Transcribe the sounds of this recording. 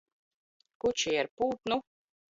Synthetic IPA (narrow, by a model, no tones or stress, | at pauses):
kut͡ʃijaɾpuːt̪nu